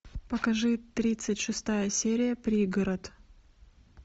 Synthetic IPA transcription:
pəkɐʐɨt̪ɾʲit̪sɨtʲʂɨst̪ajəsʲeɾʲɪjəpɾʲiɡɐɾət̪

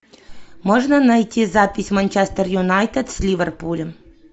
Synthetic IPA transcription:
mɔʐnɐnɐjtʲizapʲɪsʲmɐnt͡ʃɛst̪ɛrjʊnajt̪et̪sʲlʲiʋʲɛrpulʲɛ

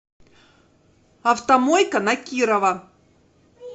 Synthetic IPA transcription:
ɐft̪ɐmojkɐnɐkʲiɾɐvɐ

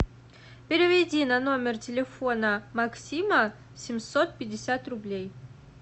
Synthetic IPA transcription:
pʲɪɾʲɪvʲɪdʲinɐno̞mʲɪrtʲɪlʲɪfo̞nəmɐksʲimə | sʲɪmʲso̞t̪̚pʲɪdʲɪsʲat̪rʊblʲej

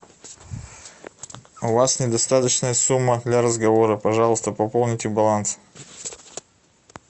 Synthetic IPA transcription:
ʊvasnʲɪd̪ɐst̪at̪ət͡ɕnəjəsumːəd̪lʲaɾəzɡɐvo̞ɾəpɐʐɑlˠəst̪əpɐpo̞lˠnʲɪtʲɪbɐlˠans

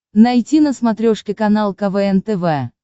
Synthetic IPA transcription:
nɐjtʲinəsmɐt̪ɾʲoʂkʲɪkɐnalˠkɐvɛɛnt̪ɛvɛ

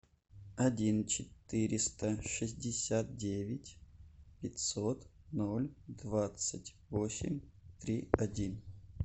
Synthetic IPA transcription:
ɐdʲint͡ɕɪt̪ɨɾʲɪst̪əʂɨzʲdʲɪsʲat̪̚dʲevʲɪtʲpʲɪtʲsot̪nolʲd̪vat̪sɨtʲvosʲɪ̰mʲt̪ɾʲiɐdʲin

